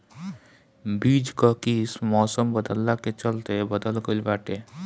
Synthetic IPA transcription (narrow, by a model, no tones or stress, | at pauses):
biːd͡ʒkakiːsmɔːsəmbəd̪əlːaket͡ʃəlt̪ebəd̪əlɡəlbaːʈeː